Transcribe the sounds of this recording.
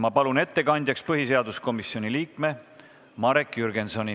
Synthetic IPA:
mɑpɑlune̞t̪ːe̞kɑnʲd̪̥ʲjɑkspɤɦis̬e̞ɑd̪usko̞misio̞nʲiliːkme̞ | mɑɾekːjyɾɡe̞nso̞nʲi

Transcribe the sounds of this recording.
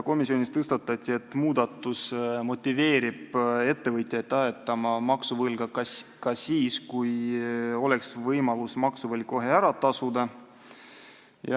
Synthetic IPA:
ko̞misio̞nʲist̪ɤst̪ɑt̪ːˑɑt̪ʲːˑie̞t̪ːˑmuːd̪ɑt̪ːˑusmo̞t̪ʲːˑive̞ːɾib̥e̞t̪ːe̞vɤjt̪ʲˑjɑet̪ːˑɑet̪ːˑɑmɑmɑksuvɤlɡ̥ɑkɑkɑsiːskujo̞le̞ksvɤjmɑlusmɑksuvɤl̚ʲko̞ɦe̞æɾɑt̪ɑsud̪ɑ | jɑ

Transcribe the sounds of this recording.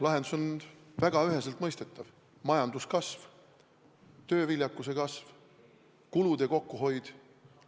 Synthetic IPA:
lɑɦe̞nd̪uso̞nvæɡ̥ɑyɦe̞selt̪ˑmɤjst̪e̞t̪ˑːɑv | mɑjɑnd̪̥uskɑsv̥ | t̪ø̞ːvilʲjɑkːˑuse̞kɑsv | kulud̪̥eko̞kːuɦo̞jd̪̥

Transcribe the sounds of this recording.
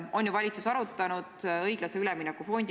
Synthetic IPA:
o̞nʲjuvɑlʲit̪susɑɾut̪ːˑɑnud̪̥ɤjɡ̥lɑseylɛminːɑkːufo̞nʲd̪̥

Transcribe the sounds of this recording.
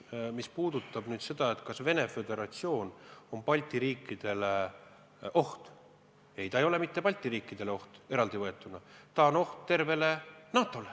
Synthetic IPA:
mispuːd̪̥ut̪ːˑɑb̥nyːd̪̥se̞d̪ɑe̞t̪kɑsve̞nefe̞d̪e̞ɾɑt̪sio̞ːno̞mpɑlʲt̪ʲːˑiɾiːkːˑid̪̥e̞le | ʔo̞ht̪ | e̞jt̪ɑejo̞le̞mit̪ːe̞pɑlʲt̪ːˑiɾiːkːˑid̪̥e̞leo̞ht̪e̞ɾɑld̪̥ivɤe̞t̪ːˑunɑt̪ɑono̞ht̪t̪ːe̞rve̞le̞nɑːt̪ːˑo̞le

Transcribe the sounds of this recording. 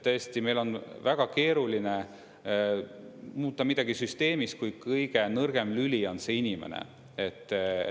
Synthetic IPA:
t̪ɤesʲt̪ime̞jlo̞nvæɡ̥ɑke̞ːɾuline | muːt̪ːˑɑmid̪̥ɑɡ̥isyst̪e̞ːmis̚kujkɤjɡ̥e̞nɤrɡ̥e̞mlylʲio̞nse̞ːinʲimḛnḛ | et̪ːˑ

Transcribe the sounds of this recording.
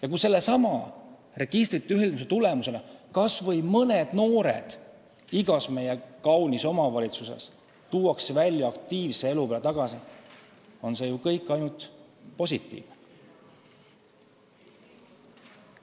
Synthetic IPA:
jɑkuse̞lːe̞sɑmɑ | re̞ɡ̥ist̪rit̪ːˑyɦhild̪mis̬et̪ule̞muse̞lekɑsvɤjmɤned̪̥no̞ːɾḛd̪̥ | iɡ̥ɑsme̞je̞kɑwniso̞mɑvɑlʲit̪suse̞̰s | t̪uːwɑksevælʲjɑɑkt̪iːvsee̞lupelet̪ɑɡ̥ɑsi | o̞nse̞jukɤjkːˑɑjnult̪po̞sʲit̪ˑːḭːvne

